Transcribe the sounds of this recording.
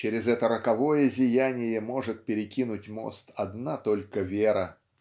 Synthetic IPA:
t͡ɕeɾʲɪzɛt̪əɾəkɐvo̞jəzʲɪjænʲɪjəmo̞ʐɨt̪̚pʲɪɾʲɪkʲinʊtʲmo̞̰st̪ɐd̪nat̪o̞lʲkəvʲeɾə

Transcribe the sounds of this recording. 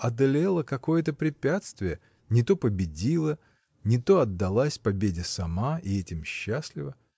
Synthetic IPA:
ɐd̪ɐlʲelˠəkɐko̞jət̪əpɾʲɪpʲat̪st̪vʲɪjə | nʲɪt̪o̞pəbʲɪdʲilˠə | nʲɪt̪o̞ɐd̪ːɐlˠasʲpɐbʲedʲɪsɐmaʔɪɛtʲɪmɕːasʲlʲɪvə

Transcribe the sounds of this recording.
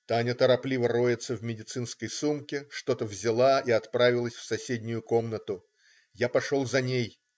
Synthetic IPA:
t̪anʲət̪əɾɐplʲivəɾo̞jɪt̪səvmʲɪdʲɪt̪sɨnskəjsumkʲɪʂt̪o̞t̪əvzʲɪlˠaiɐt̪pɾavʲɪlˠəsʲfsɐsʲedʲnʲʊjʊko̞mnət̪ʊ | japɐʂo̞lˠzɐnʲej

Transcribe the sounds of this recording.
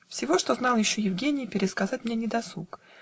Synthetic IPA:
fsʲɪvo̞ʂt̪o̞zn̪ɑlˠjɪɕːojɪvɡʲenʲɪjpʲɪɾʲɪskɐzatʲmnʲenʲɪd̪ɐsˠuk

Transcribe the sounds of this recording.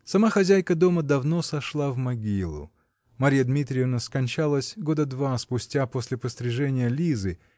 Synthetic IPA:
sɐmaxɐzʲæjkəd̪o̞məd̪ɐvno̞sɐʂlˠavmɐɡʲilˠʊ̰ | mɐɾʲijəd̪mʲit̪ɾʲɪɪvnəskɐnʲt͡ɕalˠəsʲɡo̞d̪əd̪vaspʊsʲtʲapo̞sʲlʲɪpəsʲt̪ɾʲɪʐɛnʲɪjəlʲizɨ

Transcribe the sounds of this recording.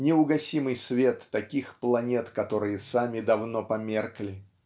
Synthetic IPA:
nʲɪʊɡɐsʲimɨjsvʲet̪ːɐkʲixplˠɐnʲe̞t̪kɐt̪o̞ɾɨjəsamʲɪd̪ɐvnopɐmʲerklʲɪ

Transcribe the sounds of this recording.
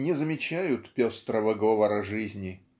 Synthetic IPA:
nʲɪzəmʲɪt͡ɕæjʊt̪pʲost̪ɾəvəɡovəɾəʐɨzʲnʲɪ

